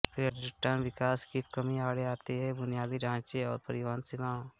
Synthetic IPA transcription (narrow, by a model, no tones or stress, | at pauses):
pɾəʈɪʈãːnʋɪkaːskikɐmiaːɽeaːt̪iɦɛbʊnijaːd̪iɖʱãːt͡ʃeɔːɾpɐɾɪʋaːnsɪmãː